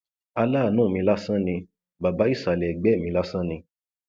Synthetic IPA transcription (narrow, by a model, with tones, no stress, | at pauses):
a˧laː˦˨nũː˦˨mĩ˧la˦sã˦nĩ˧ | ba˨ba˨˦i˦˨sa˨lɛ˨ɡ͡bɛ˨˦˨mĩ˧˦la˦sã˦nĩ˧